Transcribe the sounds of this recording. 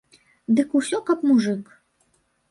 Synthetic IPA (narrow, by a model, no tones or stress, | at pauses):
d̪ɨkusʲɔkɐpmuʐɨk